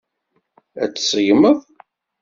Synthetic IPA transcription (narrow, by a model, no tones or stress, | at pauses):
æt͡sːsˤəjməðˤ